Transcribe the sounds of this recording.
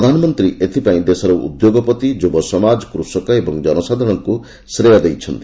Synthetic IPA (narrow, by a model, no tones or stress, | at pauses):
ɾɔd̪ʱanɔmɔnt̪ɾiʔet̪ʰipaĩd̪esɔɾɔṵd̪joɡɔpɔt̪id͡ʒubɔsɔmad͡ʒɔkɾusɔkɔebɔŋd͡ʒɔnɔsad̪ʱɔɽ̃ɔŋku | sɾejad̪ejt͡ʃʰɔnt̪i̥